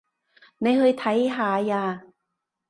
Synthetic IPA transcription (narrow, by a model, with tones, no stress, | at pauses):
ne˨˧jhɵ˧jt̪ʰɐ˨˥jɦaː˨˧jaː˧